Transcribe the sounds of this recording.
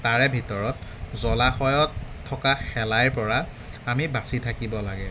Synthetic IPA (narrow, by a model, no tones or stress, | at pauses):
taɹɛbʱitɔɹɔtzɔlaxɔjɔtʰː | ɔkaxɛlajɹpɔɹa | amibasitʰakibɔlaɡɛ